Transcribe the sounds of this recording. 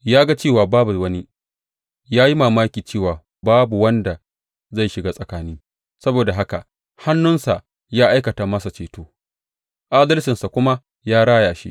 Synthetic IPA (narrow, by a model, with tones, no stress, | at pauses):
jaː˦ɡa˦t͡ʃeː˦˨waː˨baː˦bu˨wɐ˦ni˦ | jaː˦ji˦maː˨maː˦kʲiː˨t͡ʃeː˦˨waː˨ | baː˦bu˨wɐ˦nda˨ | za˦˨jʃɪ˨ɡaː˦sʼɐ˨kaː˦niː˦ | sɐ˦boː˨da˨ɦa˦ka̰˨ | ha˦nːʊ˦nsa˨ʔ | jaː˦ʔa˦jkɐ˨taː˨mɐ˦sa˨t͡ʃeː˨toː˦ | ʔaː˦dɐ˦lsɪ˨nsa˨kʷʊ˦ma˦ | jaː˦ɽaː˦jaː˨ʃḭ˦ʔ